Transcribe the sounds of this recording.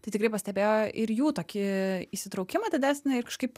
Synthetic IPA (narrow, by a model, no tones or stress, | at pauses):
t̪ɐɪt̪ʲɪkrɐɪpɐsʲtʲɛbʲeːjoːʔɪɾjuːt̪oːkʲɪiʃsʲɪt̪ɾɐʊkʲɪmɐːdʲɪd̪ʲæːsʲnʲɪɪɾkɐʃkɐɪp